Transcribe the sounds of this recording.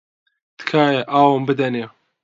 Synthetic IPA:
t̪kʰaːjeʔaːwəmbɨd̪ɐne

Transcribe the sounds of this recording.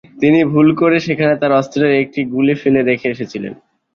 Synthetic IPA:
t̪inibʱulkoɾeʃekʰanet̪aɾɔst̪ɾeɾek̚ʈiɡulifiled̪ekʰeeʃet͡ɕʰilḛn

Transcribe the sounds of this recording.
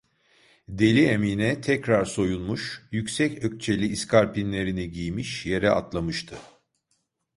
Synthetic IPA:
d̪e̞lʲiemiːnɛt̪ʰɛcɾaɾso̞junˠmuʃjycsɛcø̞c̚t͡ʃʰe̞lʲiːskʰaɾpʰinlʲe̞ɾiniɟijmiʃje̞ɾɛa̰t̪lˠamɯʃt̪ʰɯ

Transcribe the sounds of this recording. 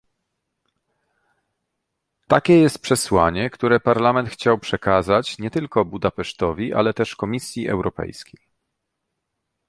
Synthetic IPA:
t̪akʲɛjɛst̪̚pʂɛswaɲɛkt̪uɾɛpaɾlamɛnt̪xt͡ɕawpʂɛkazat͡ɕɲɛt̪ɘlkɔbud̪apɛʂt̪ɔvʲiʔa̰lɛt̪ɛʂkɔmʲisʲjiʔɛ̰wɾɔpɛ̰jskʲej

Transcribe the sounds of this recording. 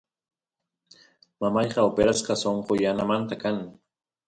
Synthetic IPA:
mamɑjqɑopeɾasqɑsoɴqojanamant̪akaŋ

